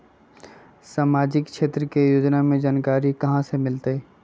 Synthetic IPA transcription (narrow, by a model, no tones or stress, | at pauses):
saːmaːd͡ʒɪkʃeːt̪ɾəkejoːd͡ʒnamẽd͡ʒaːnkaːɾikɐɦãsemɪlt̪eː